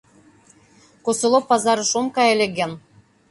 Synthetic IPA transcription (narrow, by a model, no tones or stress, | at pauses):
kosɤ̆lˠopːɑzɑɾɤ̆ʃomkɑjelʲĕɡæn